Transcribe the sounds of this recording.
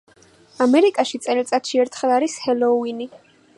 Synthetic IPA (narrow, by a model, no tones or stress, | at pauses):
amɛɾikʼaʃit̪sʼɛlt̪sʼat̪ʃiɛɾt̪ʰχɛlˠaɾishɛlˠɔuini